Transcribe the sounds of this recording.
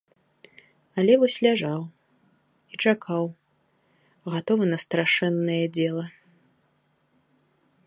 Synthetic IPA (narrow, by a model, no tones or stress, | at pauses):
ɐlʲɛvɔsʲlʲaʐaw | it͡ʂakʰaw | ɣat̪ɔvɨnɐst̪ɾaʂɛnːɐjɛd͡zʲɛlˠɐ